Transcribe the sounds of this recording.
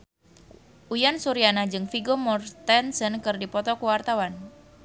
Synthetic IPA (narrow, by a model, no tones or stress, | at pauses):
ʔujansuɾianad͡ʒɨŋfiɡɔmɔrt̪ɛnsənkɨrdipɔt̪ɔkuwart̪awan